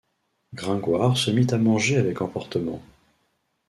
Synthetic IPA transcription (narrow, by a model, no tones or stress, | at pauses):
ɡʁɛ̃ɡwaʁsəmit̪amɑ̃ʒeavɛkɑ̃pɔʁt̪əmɑ̰̃